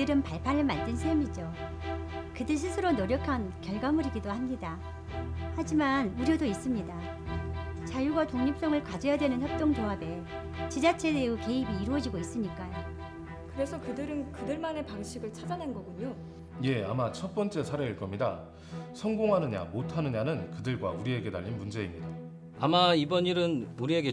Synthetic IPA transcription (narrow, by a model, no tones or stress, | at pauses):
ɯɾɯnpaɭpʰanɯɭmandɯnsʰejʌmid͡ʑo | kɯdɯɭs̬ʰisʰɯɾonʌɾjʌkʰankjʌɭɡamɯɾiɡidohamɲida | had͡ʑimanuɾjʌdois͈ɯmɲida | t͡ɕajuɡatoŋɲip̚s͈ʌŋɯɭkwad͡ʑʌjadwe̞nɯnçjʌp̚t͈oŋd͡ʑoabe̞ | t͡ɕid͡ʑat͡ɕʰe̞deuke̞ibiːɾuʌd͡ʑiɡois͈ɯmɲik͈ajo | kɯɾe̞sʰʌkɯdɯɾɯnkɯdɯɭmane̞paŋɕʰiɡɯɭt͡ɕʰad͡ʑanenɡʌɡuɲo | je̞a̰mat͡ɕʰʌt̚p͈ʌnt͡ɕ͈e̞sʰaɾeiɭk͈ʌmɲida̰ | sʰʌŋɡoŋɦanɯɲa̰motʰanɯɲanɯnkɯdɯɭɡwa̰uɾie̞ɡe̞ta̰ʎːinmund͡ʑe̞imɲida | amaibʌniɾɯnuɾieɡe